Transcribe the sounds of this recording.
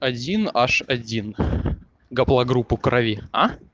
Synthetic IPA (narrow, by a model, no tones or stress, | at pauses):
ɐdʲinaʂɐdʲin | ɡɐplˠɐɡɾupːʊkɾʔɐvʲia